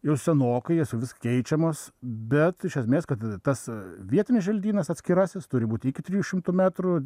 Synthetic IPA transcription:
jɛʊsʲɛnoːkɐɪɛsjɛʋʲɪskkʲɛɪt͡ʃʲɛmoːsbʲɛt̪ɪʃʲɛsʲmʲeːskɐt̪t̪ɐsʋʲiɛt̪ʲɪnʲɪsʒʲɛlʲd̪ʲiːnɐsɐt̪ʲsʲkʲɪɾɐsʲɪst̪ʊɾʲɪbuːt̪ʲɪkʲɪt̪ʲɾʲiːjuʃʲɪmt̪ʊmʲæt̪ɾʊ

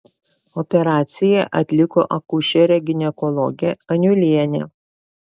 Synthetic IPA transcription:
ɔpʲɛɾɑːt̪sʲɪjɛʔɐt̪ʲlʲɪkoːʔɐkʊʃʲɛɾʲɛɡʲɪnʲɛkɔlˠɔɡʲɛɐnʲʊlʲiɛnʲɛ̰

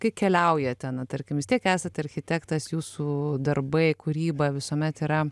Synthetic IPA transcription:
kɐɪkʲɛlʲɛʊjɛt̪ʲɛnɐt̪ɐɾʲkʲɪmʋʲɪst̪ʲiɛkæːsɐt̪ɐɾʲxʲɪt̪ʲækt̪ɐsjuːsud̪ɐrbɐɪkʊɾʲiːbɐʋʲɪsoːmʲɛt̪ɪɾɐ

